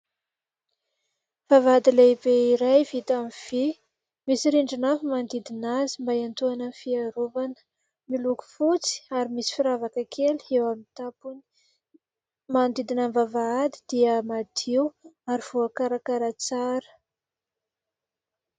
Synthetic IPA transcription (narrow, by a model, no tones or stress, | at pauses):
vavaad̪ilebeiɾajvit̪amiv̥i | misiɾiɳɖ͡ʐinafimand̪id̪inazimbajant̪uanənfiaɾovanə̥ | miluku̥fut͡si̥aɾimisi̥fiɾavakəkʰelewamit̪apuni̥ | mand̪id̪inambavaad̪i̥d̪̥iəmad̪ʰiwaɾiv̥uakaɾakaɾat͡saɾə̥